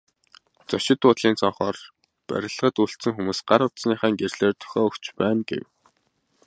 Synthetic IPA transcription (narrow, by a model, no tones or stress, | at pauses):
t͡sɔʃɪ̆t̪ʊːt̪ɮiːnt͡sɔɴχɔːr | pæ̰ɾʲɪ̆ɮə̆ʁə̆t̪uɬt̪t͡sɘ̆ŋxumuːsɢ̥aɾʊt̪sniːχæːŋɡerɮeːrt̪ʰʊ̥xʲɔːɵkt͡ɕpæːnɡḛw